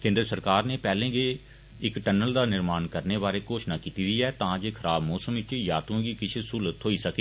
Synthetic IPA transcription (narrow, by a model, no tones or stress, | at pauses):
kẽːnd̪ɾəsəɾkaːɾneːpɛːlẽːɡeː | ɪkʈənəld̪aːnɪɾmaːnkəɾneːbaːɾeːkoːʃnaːkiːt̪iːd̪iːɛːt̪ãːd͡ʒeːkʰəɾaːbmɔːsəmʋɪt͡ʃjaːt̪õɡiːkɪt͡ʃʰeːsuːlət̪ɦoːiːsəkeː